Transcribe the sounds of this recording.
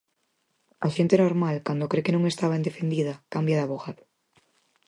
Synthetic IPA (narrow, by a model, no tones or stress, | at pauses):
aʃent̪enoɾmalkand̪okɾekenõŋest̪aβaend̪efend̪iðɐkambjaðaβoɣað